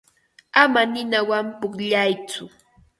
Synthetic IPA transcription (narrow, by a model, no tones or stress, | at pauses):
amanɪnawampʊkʎajt͡sʊ